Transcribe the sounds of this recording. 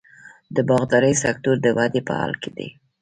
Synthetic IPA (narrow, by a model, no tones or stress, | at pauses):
d̪əbɑɣd̪ɑɾəjsakt̪uɾd̪əwad̪epə̰hɑ̰lked̪ḭ